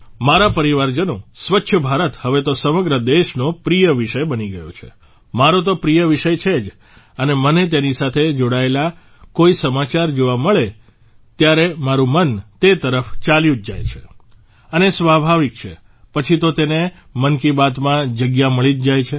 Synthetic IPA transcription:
maɾapəɾiʋaɾd͡ʒənõsʋətːʃʰəbʱaɾət̪həʋet̪osəməɡɾəd̪eʃnopɾijəʋiʃəjbəniɡəjo̰t͡ʃʰḛ | maɾõt̪̬opɾijəʋiʃəjt͡ʃʰed͡ʒ | ənemənet̪enisat̪ʰed͡ʒoɽaela | koisəmat͡ʃaɾd͡ʒoʋaməɭe | t̪jaɾemaɾũmənt̪et̪əɾəft͡ʃaljũd͡ʒd͡ʒa̰jt͡ʃʰe | ənesʋabʱaʋik̚t͡ʃʰḛ | pət͡ʃʰit̪ot̪ene | mənkibat̪mãd͡ʒəɡjaməɭid͡ʒ̪d͡ʒajt͡ʃʰe

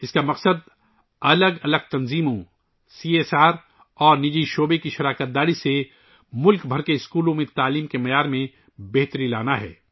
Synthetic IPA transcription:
ɪskamɐqsəd̪ | ɐləɡɐləɡ̚t̪ɐnziːmõ | siːeːsaːɾ | ɔːɾnɪd͡ʒiːʃoːbekiʃɐɾaːkət̪̚d̪aːɾise | mʊlkbʱɐɾkeɪskuːlõmẽt̪aːliːmkemɐjaːɾmẽ | bɛɦt̪əɾĩlaːnaɦɛ̰ː

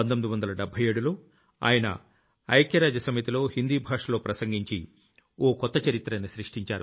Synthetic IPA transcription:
ɐnt̪omid̪iʋɐnd̪ɐlɐɖɛbʱɐjeːɽulo̞ː | a̰ːjɐnɐ̰ | ɐjɐkjɐɾaːd͡ʒɐsɐmit̪ilo̞ːhind̪iːbʱaːʂɐlo̞ːpɾɐsɐŋɡiɲt͡ʃi | oːkɔt̪ːɐt͡ʃɐɾit̪ːɾɐniʃɾiʂʈiɲt͡ʃaːɾu

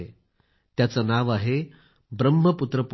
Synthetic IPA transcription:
e | t̪jat͡sanaʋaɦe | bɾəmːəput̪ɾəp

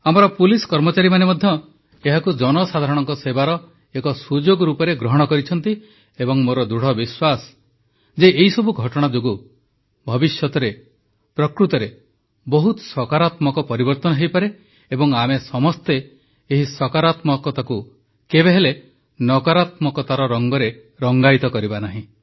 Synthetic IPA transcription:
amɔɾɔpuliskɔɾmɔt͡ʃaɾimanemɔd̪ʱjɔ | eɦakud͡ʒɔnɔsad̪ʱaɾɔɽ̃ɔŋkɔsebaɾɔ | ekɔsud͡ʒoɡɾupɔɾeɡɾɔɦɔɽ̃ɔkɔɾit͡ʃʰɔnt̪i | ebɔŋmoɾɔd̪uɽ̤ɔbiswas | d͡ʒeʔeɦisɔbuɡʱɔʈɔɽ̃ad͡ʒoɡu | bʱɔbisjɔt̪ɔɾe | pɾɔkɾut̪ɔɾe | bɔɦut̪ɔ̥sɔkaɾat̪mɔkɔpɔɾibɔɾt̪ɔnɔɦejpaɾe | ebɔŋamesɔmɔst̪eː | ɦisɔkaɾat̪mɔkɔt̪aku | kebeɦele | nɔkɔɾat̪mɔkɔt̪aɾɔɾɔŋɡɔɾe | ɾɔŋɡajt̪ɔkɔɾibanaɦĩ

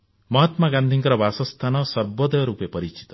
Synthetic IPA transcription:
mɔɦɔt̪maɡand̪ʱiŋkɔɾɔbasɔst̪ʰanɔsɔɾbɔd̪ɔjɔɾupepɔɾit͡ʃi̥t̪ɔ̥

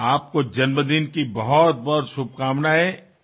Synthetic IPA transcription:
aːp̚kod͡ʒɐnməd̪inkibɐɦɔt̪̚bɔɾsub̚kaːmnaɦɛː

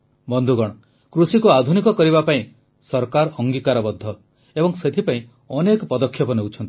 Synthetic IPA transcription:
bɔnd̪ʱuɡɔɽ̃ɔ | kɾusikuad̪ʱunikɔkɔɾibapaĩ | sɔɾkaɾɔŋɡikaɾɔbɔd̪ʱːɔ | ebɔŋset̪ʰipaĩ | ɔnekɔpɔd̪ɔkʰjɔpɔnewut͡ʃʰɔnt̪i̥

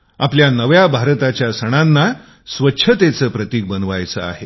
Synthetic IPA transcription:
apljanəʋjabʱaɾt̪at͡ɕjasəɽ̃anːa | sʋətːɕʰət̪et͡səːpɾət̪iːk̚bənʋajt͡sə̰a̰ɦe

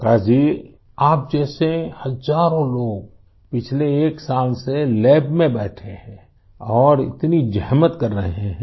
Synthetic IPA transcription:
kaːd͡ʒiː | aːp̚d͡ʒɛːsehəzaːɾõloːɡ̚ | pɪt͡ʃʰleːksaːlselɛːbmẽbɛːʈʰeɦɛ̃ː | ɔːɾɪ̰t̪nid͡ʒɛɦmət̪kəɾːəɦɦẽɦɛ̃

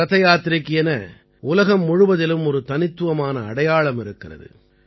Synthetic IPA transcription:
ɐt̪ɐjaːt̪ɪɾɪkːɪɛnɐ | ʊlɐɣɐmːʊɻɯʋɐðɪlɯmɔɾɯt̪ɐnɪt̪ːɯʋɐmaːnɐːɽɐjaːɭɐmɪɾɯkːɪrɐ̰ðɯ̰

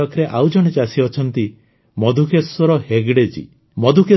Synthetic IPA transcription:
ɔkʰɾeʔawd͡ʒɔɽ̃et͡ʃasiɔt͡ʃʰɔnt̪i | mɔd̪ʱukeswɔɾɔheɡɽed͡ʒḭ | mɔd̪ʱuke

